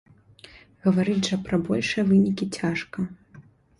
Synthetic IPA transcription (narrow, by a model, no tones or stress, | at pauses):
ɣɐvaɾɨdʲʐɐpɾɐbɔlʲʂɨjɐvɨnʲikʲit͡sʲaʂkɐ